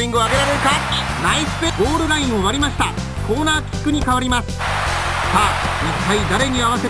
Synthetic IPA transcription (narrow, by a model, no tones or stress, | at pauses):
ĩŋɡɯaɡe̞ɾaɾe̞ɾɯ̟ka | ɾaisɨ̥peɡo̞ːɾɯ̟ɾaĩɰ̃oβaɾʲimaɕi̥t̪a | ko̞ːnaːkʲi̥kːɯ̟ɲ̟ikaβ̞aɾʲimasɨ̥saːmit̪ːaid̪aɾe̞ɲ̟iaβ̞ase̞